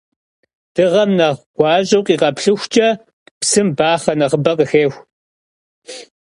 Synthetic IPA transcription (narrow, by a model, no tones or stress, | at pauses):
d̥ɨʁɐmnɐʁɡ̥ʷɑːʑʼɐwqʼiːqɐpɬɨxʷt͡ʃʼɐ | psɨmbaːχɐnɐʁəbɐqʼəxeːxʷ